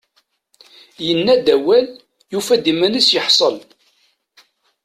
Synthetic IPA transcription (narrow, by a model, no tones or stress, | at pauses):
jənːæd̪æwæl | jufæd̪imænəsjəħsˤəl